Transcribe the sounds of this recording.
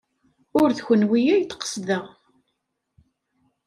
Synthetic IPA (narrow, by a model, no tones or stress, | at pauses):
ʊɾðçənwijæjt̪qə̥sðəʁ